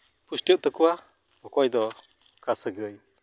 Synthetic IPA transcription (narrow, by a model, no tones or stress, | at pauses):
pusʈəʔt̪əkua | ɔkɔjd̪ɔ | kasəɡəj